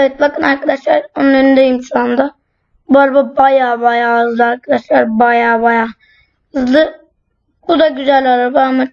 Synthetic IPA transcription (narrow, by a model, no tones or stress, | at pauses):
eet̪̚bakɯnaɾkʰad̪aʃlˠaɾonnˠeɾind̪ɛjimʃuand̪a | baɾbabajabajaɯzd̪ˠɯaɾkʰad̪aʃlˠaɾbajaːbaja | ɯzd̪ɯ | bud̪aɡʲyzælʲalˠabaama